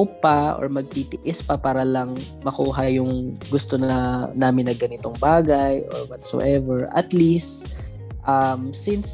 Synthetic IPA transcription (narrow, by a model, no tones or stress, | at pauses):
opɐʔo̰ɹmɐɡ̚t̪it̪ɪʔɪspɐpaːɾɐlɐŋmɐkuːɦɐjʊŋɡʊst̪onɐnaːmɪnːɐɡɐnɪt̪o̞ŋbaːɡɐjʔo̰ɹwɔt̪so̰ʔɛvɛɹʔɐ̰t̪list̪ | ʔɐmsɪns